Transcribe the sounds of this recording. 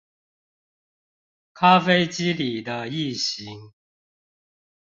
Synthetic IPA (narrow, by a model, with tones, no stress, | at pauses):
kʰa˦fe˥ɪt͡ɕi˦li˨˩d̪ə˦i˥˩ɕi˨˦ŋ